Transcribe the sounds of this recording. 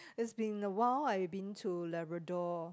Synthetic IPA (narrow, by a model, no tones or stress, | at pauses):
ɪsbĩŋəwalaɪbĩntʰulɛbɹədɔ